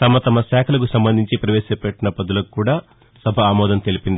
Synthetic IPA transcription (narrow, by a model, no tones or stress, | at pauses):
t̪ɐmɐt̪ɐmɐsaːkʰɐlɐkusɐmbɐnd̪ʱiɲt͡ʃipɾɐʋɛːʃɐpɛʈːinɐpɐd̪ulɐkkuːɽaː | sɐbʱɐaːmɔːd̪ɐnt̪e̞lipind̪ii